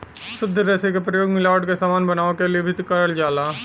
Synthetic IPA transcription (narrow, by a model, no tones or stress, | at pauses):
sʊd̪ʱːɾɛːsekepɾəjoːɡmɪlaːʋəɽkesaːmaːnbɐnaːõkeliebʱɪt̪kɐɾəld͡ʒaːlaː